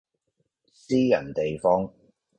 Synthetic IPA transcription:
siː˥jɐ̰˨˩nt̪e˨jfɔː˥ŋ

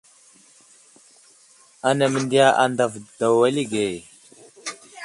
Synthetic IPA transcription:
a˨na˨mə˨ndi˦ja˦ʔa̰˨nda˨vd̥a˨wa˦li˦ɡe˨

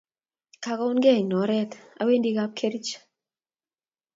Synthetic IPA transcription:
ka˨ka˦ʊ˦nɡɛ˦˨ɲnɔ˨˦ɾɛ˦t̪a̰˦we˦ndi˦ɡa˦p̚kʰe˦ɾt͡ʃ

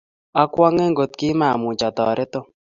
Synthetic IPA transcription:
a˦kwɔ˦ŋɛ˦ŋɡo˨t̪̚kɪ˦ma˨mʊ˨t͡ʃɔ˨t̪ɔ̰˨ɾɛ˦t̪o˦

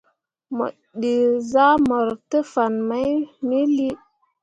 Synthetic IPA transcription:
mə̰˨ | ɗi˨za˦mo˨ɾtə˦fa˨nma˦jmi˦li˦

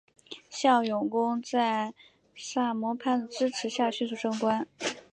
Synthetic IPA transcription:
ɕjɑ˥˩ʊjʊ˨˩ŋkʊ˥ŋt͡sa˥˧ɪ | ʂa˥˩mwɔ˧˥pʰa˥˩nd̪ə˩ʈ͡ʂɻ̩˥ʈ͡ʂʰɻ̩˧˥ɕja˥˩ɕy˥˧s̬u˥˩ʂɤ˥ŋkwa˥n

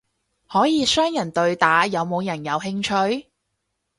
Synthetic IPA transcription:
hɔː˨˥jiː˨˧sœː˥ŋjɐ˨˩nt̪ɵ˧ɥt̪aː˨˥jɐ˨˧wmo˨˧wjɐ˨˩njɐ˨˧wɦɪ˧ŋt͡ʃʰɵ˧ɥ

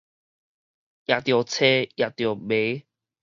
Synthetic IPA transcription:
ʔja˨˩t̪jɔ˨˩t͡sʰe˦ja˨˩t̪jbe˨˦

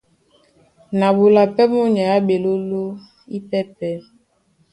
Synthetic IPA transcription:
na˨bu˨la˨pɛ˦mo˦ɲa˨a˦be˨lo˦lo˦ | i˦pɛ˦pɛ˦

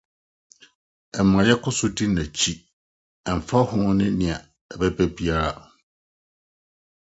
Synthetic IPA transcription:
ɛ˨m˨ã˨jɛ˦kʰʊ˦sʊ˦di˦nã˨t͡ɕʰi˦ | ɛ˨m̩˨fa˦hʊ̃˦nɪ̃˦nɪ̃˨a˨ | ɛ˨bɛ˦bæ˦bi˦a˦ɾa˦

